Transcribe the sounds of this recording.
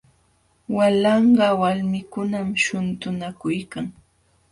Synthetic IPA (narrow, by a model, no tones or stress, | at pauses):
walɑɴɢɑwalmɪkʊnamʃʊnt̪ʊnakʊjkaŋ